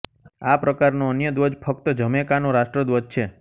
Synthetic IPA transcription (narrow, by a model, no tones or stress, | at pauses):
apɾəkaɾnoənjəd̪ʋəd͡ʒpʰək̚t̪əd͡ʒəmekanõɾaʃʈɾəd̪ʋəd͡ʒt͡ʃʰe